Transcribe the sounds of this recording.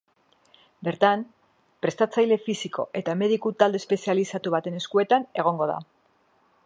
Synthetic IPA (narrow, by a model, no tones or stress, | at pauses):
be̞ɾt̪am | pɾe̞st̪at͡sajle̞fisikʰo̞̰ʔe̞t̪ame̞ð̞ikut̪ald̪espe̞sialisat̪uβat̪e̞ne̞skue̞t̪ane̞ɣ̞o̞ŋɡo̞ða̰